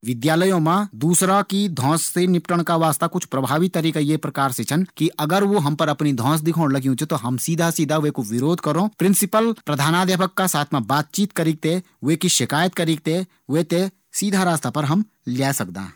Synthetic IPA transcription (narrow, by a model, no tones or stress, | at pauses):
ʋɪd̪jaːləjõmãd̪uːsɾakid̪ʱɔ̃ːsːenɪpʈəɽ̃kaʋaːst̪akʊt͡ʃʰpɾɐbʱaːʋit̪ːɐɾiːkajepɾɐkaːɾset͡ʃʰɐnkiʔɐɡəɾʋoɦɐ̃mpɐɾɐpnid̪ʱɔ̃ːs̬d̪ɪkʰoːɽ̃lɐɡjũt͡ʃʰet̪oɦɐmsiːd̪ʱasiːd̪ʱaʋekoʋɪɾoːd̪ʱkɐɾõːpɾɪ̃nsɪpəlpɾɐd̪ʱaːnaːd̪eːpəkːasaːt̪ʰmãbaːt̪̚t͡ʃiːt̪kɐɾiːk̚t̪e | ʋekiʃɪkaːjət̪̚kɐɾiːk̚t̪e | ʋeːt̪e | siːd̪ʱaɾaːst̪apɐɾɦɐm | lɛːsɐk̚d̪a̰ː